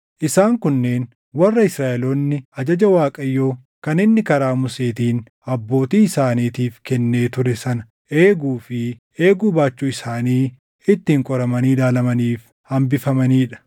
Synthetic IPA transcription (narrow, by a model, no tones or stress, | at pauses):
ʔɪsaːŋkʊnːe̞ːn | wɐrːɐɪsɾaːʔɛloːnːɪɐd͡ʒɐd͡ʒɐwaːkʼɐjːoː | kɐnɪnːɪkɐɾaːmʊse̞ːt̪iːn | ɐbːo̞ːt̪iːɪsaːniːt̪iːfkɛnːe̞ːt̪ʊɾɛsɐnɐ̥ | ʔe̞ːɡuːfɪ | e̞ːɡuːbaːt͡ʃːuːɪsaːniː | ɪt̪ːɪːŋkʼɔɾɐmɐniːlaːlɐmɐniːf | hɐmbɪfɐmɐniːᶑɐ̥